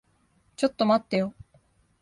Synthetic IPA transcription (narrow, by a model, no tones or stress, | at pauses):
t͡ɕot̪ːomat̪ːejo